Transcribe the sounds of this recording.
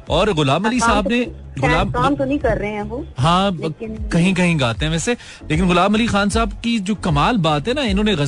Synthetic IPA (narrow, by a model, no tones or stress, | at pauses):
ɔːɾɣʊlaːmɐlisaɦbne | ɣʊlaːmaːmt̪onɐɦĩkɐɾːɐɦẽɦoɦãːkɐɦĩkɐɦĩɡaːt̪eɦɛ̃ʋɛːse | leːk̬ɪnɣʊlaːmɐlixaːnsaːb̚kid͡ʒoːkɐmaːlbaːt̪ɦɛ̃naɪnɦõːneɣɐ